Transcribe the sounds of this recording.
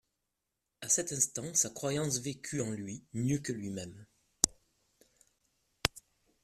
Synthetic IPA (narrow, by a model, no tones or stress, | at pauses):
asɛt̪ɛ̃st̪ɑ̃sakχwajɑ̃svekʲʰyɑ̃lɥimjøkəlɥimɛm